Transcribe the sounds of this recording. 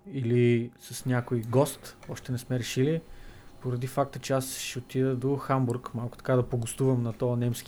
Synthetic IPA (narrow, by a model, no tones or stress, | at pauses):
ilisɐsnʲakoiɡɔst̪ɔʃt̪ɛnɛsmɛɾɛʃilipoɾɐd̪ifak̚t̪ət͡ʃɛasʃɛot̪id̪əd̪oxambuɾkmalˠkʊt̪ɐ̥kad̪ɐpoɡʊst̪uvəmnɐt̪ɔɐnɛmsk